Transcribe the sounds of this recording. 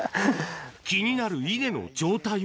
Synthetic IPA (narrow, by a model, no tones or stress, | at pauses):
kʲiɲ̟inaɾɯ̟id̪e̞no̞̰d͡ʑo̞ːt̪ai